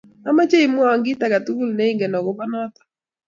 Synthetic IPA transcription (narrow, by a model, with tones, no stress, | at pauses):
a˦ma˦t͡ʃe˦i˨mʊ˦a˨ŋɡɪ˦ta˨ɡa˨t̪u˦u˦lne˦i˦ŋɡɛ˨nɔ˨ɡɔ˦ba˦nɔ˦t̪ɔ̥˨